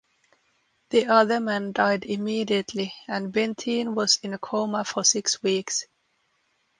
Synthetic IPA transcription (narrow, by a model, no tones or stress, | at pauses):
ðiʌðə˞mæ̃ndaɪdɪmiːɾiɨtʰliɨ̃nbɛ̃ntʰĩnwʌz̥ɪ̃nəkʰoʊməfə˞sɪkswiks